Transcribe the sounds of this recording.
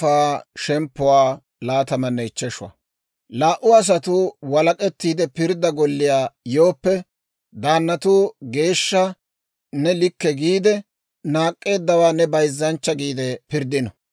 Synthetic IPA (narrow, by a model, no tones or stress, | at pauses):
aːʃɛmpːʊwaː | laːt̪ɐmɐnːɛɪt͡ʃːɛʃʊwɐ̰ | laːʔʊɐs̬ɐt̪ʊwɐlɐkʼɛt̪ːiːd̪ɛpɪɾd̪ɐɡɔlːɪjaːjo̞ːpːɛ | d̪aːnːɐt̪ʊɡe̞ːʃːɐ | nɛlɪkːɛɡiːd̪ɛ | naːkʼːe̞ːd̪ːɐwaːnɛbɐjzːɐnt͡ʃːɐɡiːd̪ɛpɪɾd̪ɪnɐ